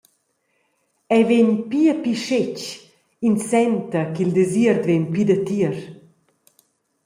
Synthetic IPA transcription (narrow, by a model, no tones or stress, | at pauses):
ɛveɲpiəpiʃet͡ʃ | insɛnt̪ɐkild̪eziɾd̪venpid̪ɐt̪iəɾ